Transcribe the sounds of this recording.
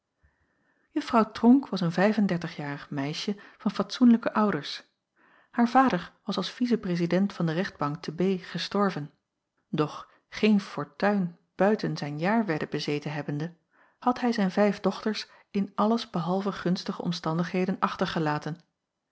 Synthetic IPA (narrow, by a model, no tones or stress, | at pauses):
jɵfrɑwtrɔŋkʋɑsənvɛjvəndɛɹtəχjaːrəχmɛjʃəvɑnfɑtsunləkəʔʌwdəɹs | haːɹv̥aːdəɹʋɑsɑlˠsfizəprezidɛntfɑndərɛχd̚bɑŋk̚təbejχəstɔɹvən | dɔχ | χejnfɔɹtœɥn | b̥œɥtənzɛjnjaːɹʋɛɹdəbəzejtənɦɛbəndə | hɑtɦɛjzɛjnvɛjvdɔχtəɹs | ɪnʔɑləzbəɦɑlˠvəχɵnstəχəʔɔ̰mstɑndəχɦejdənʔɑχtəɹχəlaːtən